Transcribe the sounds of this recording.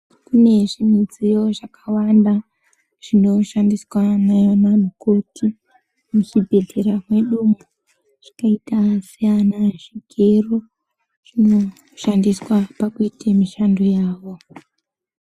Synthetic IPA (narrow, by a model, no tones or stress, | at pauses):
kune̞ʐimid͡zijo̞ʐakawanda | ʐ̥ino̞ʃandiswanaman̤ukutʰi | mut͡ʃibʱe̞ɮeɾamwe̞ɗumo | ʐ̥ḁkaitasijanaʐ̥iɡʱero | ʐ̥ino̞ | ʃandiswapakuitʰamiʃandojaːʋo̞